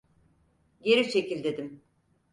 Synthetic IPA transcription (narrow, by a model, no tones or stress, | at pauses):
ɟe̞ɾit͡ʃʰe̞cʰilʲd̪e̞d̪im